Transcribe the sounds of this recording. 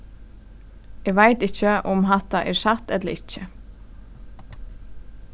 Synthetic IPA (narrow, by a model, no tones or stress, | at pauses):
ɛɡʋajt̪ɪt͡ʃəʊmɦaht̪aʔɛɹsaht̪ɛt̪ləɾɪt͡ʃːɪ